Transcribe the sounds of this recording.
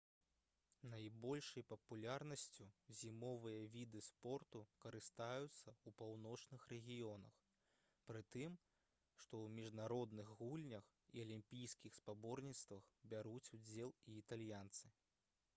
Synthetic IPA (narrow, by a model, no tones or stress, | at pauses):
najbɔlʲʂɐjpɐpulʲarnɐsʲt͡sʲuzʲimɔvɨjɐvʲid̪ɨspɔrt̪ukɐɾɨst̪ajut̪sːɐupawnɔt͡ʂnɨxrɛɣʲijɔnɐ̰x | pɾɨt̪ɨm | ʂt̪ɔwmʲiʐnaɾɔd̪nɨɣɣulʲnʲɐx | ḭɐlʲimʲpʲijskʲixspabɔrnʲit̪st̪vɐxbʲaɾut͡sʲud͡zʲɛlˠiːt̪alʲjant̪sɨ